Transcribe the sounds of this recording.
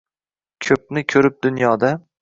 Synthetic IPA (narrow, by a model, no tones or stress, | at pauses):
kʲʰɵp̚nɪkʲʰɵɾɪp̚d̪ʊnjɒd̪a